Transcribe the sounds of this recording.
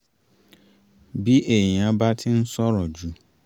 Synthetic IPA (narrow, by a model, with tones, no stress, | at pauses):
bi˦ʔe˨ɲ˨ã˦ba˦tʰɪ˦n̩˦sɔ˦ɾɔ˨d͡ʒu˦